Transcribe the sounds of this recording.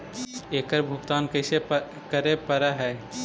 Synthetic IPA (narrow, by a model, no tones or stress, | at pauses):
eːkəɾbʱʊɡt̪aːnkəɪse | kəɾepəɾaɦɛː